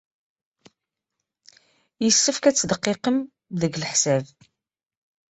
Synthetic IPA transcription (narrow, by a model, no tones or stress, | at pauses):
jəsːəfkæt͡sːd̪əqːeqəm | ðəɡləħsæv